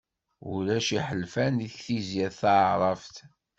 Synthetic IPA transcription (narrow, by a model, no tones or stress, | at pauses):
ṵlæʃiħəlfæniθθizjæðθaɾˤɑft